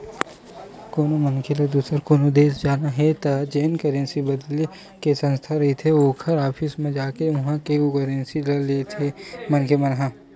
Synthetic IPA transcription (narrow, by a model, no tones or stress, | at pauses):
koːnomɐnkʰelɐd̪uːsəɾkoːnod̪eːsd͡ʒaːnaɦɛt̪ɐd͡ʒeːnkɐɾẽnsibɐd̪le | kesɐ̃nst̪ʰaɾɐɦit̪ʰeoːkʰəɾaːpʰismẽd͡ʒaːkeʋɐɦãkeukɐɾẽnsilɐlet̪ʰemɐnkʰemɐnɦã